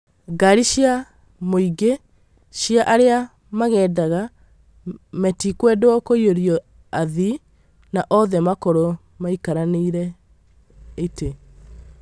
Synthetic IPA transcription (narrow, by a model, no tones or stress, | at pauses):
ɡaɾiɕja | moiɡe | ɕiaʔaɾea | maɣɛːdaɣa | mɛtikwɛdwɔkoioɾiɔ | aði | naʔɔðɛmakoɾo | maikaɾaneiɾɛ | ete